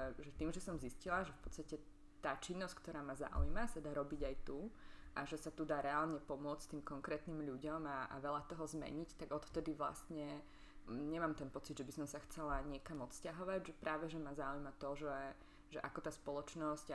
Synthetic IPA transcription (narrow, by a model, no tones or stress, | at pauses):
ɛʒɛt̪iːmʒɛsɔmziscilaʒɛfpɔt̪t͡st̪acɛ | t̪aːt͡ʃinːɔsckt̪ɔɾaːmaza̰ṵjmasad̪aːɾɔbiɟajt̪uʔaʒɛsat̪ud̪aːɾɛalɲɛpɔmʊɔt͡st̪iːmkɔŋkɾɛːt̪niːmʎuɟɔmaʔa̰ʋɛʎat̪ɔɦɔzmɛ̰ɲict̪aɡɔt̪ft̪ɛd̪iʋla̰st̪ɲɛ | ɲɛmaːmt̪ɛnpɔt͡sid̪ʒɛbisɔmsaxt͡sɛlaɲɪɛkamɔt̪scaɦɔʋaɟʒɛpɾʔaːʋɛʒɛmazaujmat̪ɔʒɛ | ʒɛʔakɔt̪aːspɔlɔt͡ʃnɔsc